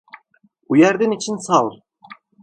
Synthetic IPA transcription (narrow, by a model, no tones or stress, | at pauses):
ujæɾd̪init͡ʃʰinsalɾ